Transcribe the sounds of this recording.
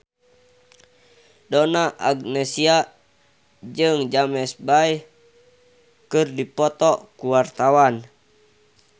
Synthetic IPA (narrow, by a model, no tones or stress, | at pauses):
dɔnaʔaɡnɛsia | d͡ʒɨŋd͡ʒamɛsbai | kɨrdipɔt̪ɔkuwart̪awan